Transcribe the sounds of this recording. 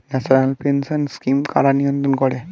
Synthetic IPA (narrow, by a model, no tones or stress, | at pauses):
nasɔnalpensɔnskimka̰ɹanijɔnt̪ɔnkɔɹɛ